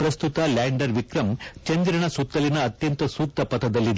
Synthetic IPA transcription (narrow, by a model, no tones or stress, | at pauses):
pɾɐst̪ut̪ɐlaːɳɖɐɾʋikɾɐmt͡ʃɐnd̪ɾɐɳɐsut̪ːɐlinɐːt̪jɐnt̪ɐsuːk̚t̪ɐpɐt̪ʰɐd̪ɐlːid̪